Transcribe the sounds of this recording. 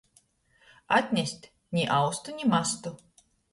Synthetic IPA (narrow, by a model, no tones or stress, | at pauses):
at̪ʲnʲɛsʲtʲ | nʲiʔawst̪ʊnʲimast̪ʊ